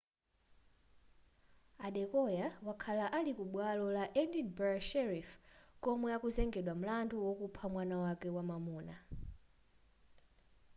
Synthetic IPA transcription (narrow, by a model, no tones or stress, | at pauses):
aɗɛkɔjawakʰalaʔalikuɓwalɔlaʔɛnibɛʃɛɾifkɔmɔjakuzɛŋɡɛɗwam̩landuwɔkupʰamwanawakɛwamamuːna